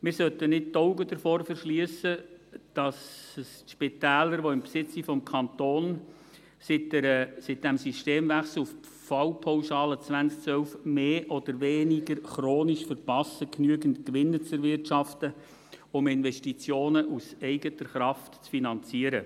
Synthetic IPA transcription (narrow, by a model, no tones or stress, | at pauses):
mɪɾsœt̪ənɪt̚tɔʊɡədəɾfɔːɾfəɾʃliəsəd̥ɑssʃpɪtæːləɾʋoɪmpsɪt͡sifɔmkʰɑnt̪oːn | sɪtɾəsɪt̚d̥ɛmsiʃteːmvæχsl̩uf | fɑwpʰawʃɑːlət͡svænt͡sk̚t͡sʋœlfmeːʔɔd̥̪əɾʋeːnɪɡəɾχɾoːniʃfəɾpɑsəknyəɡəntkʋɪnːət͡sɛɾʋɪrtʃɑftə | ʊmɪnvɛʃtit͡sjoːnəʔusɛɪɡətəɾχɾɑftt͡sfinɑnt͡siəɾə